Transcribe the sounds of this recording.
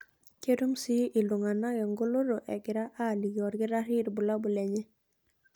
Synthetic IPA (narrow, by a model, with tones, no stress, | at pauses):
ke˦ɾu˦msi˦ʔi˨lʊ˨ŋa˨na˦ɡɛ˨ŋɡo˦lo˦ɾo˨ʔɛ˨ɡɪ˨ɾa˦ʔa˦˨li˨ɡɔ˨ɾɡɪ˦ɾa˦ɾi˦ɾbu˨la˦bu˨lɛ˨ɲɛ˦